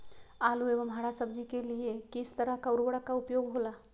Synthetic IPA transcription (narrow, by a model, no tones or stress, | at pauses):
aluebəmɦaɽasəb̚d͡ʒikeliekist̪əɾəɦkaɾubəɽəkaupjoɡɦola